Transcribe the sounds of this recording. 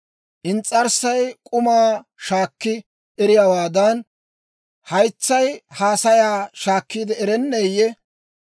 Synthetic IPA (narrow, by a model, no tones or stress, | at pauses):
ʔɪnt͡sʼːɐɾsɐjkʼʊmaːʃaːkːɪ | ʔɛɾɪjaːwaːd̪ɐn | hɐjt͡sːɐjhaːsɐjaːʃaːkːiːd̪ɛɛɾɛnːeːjːɛ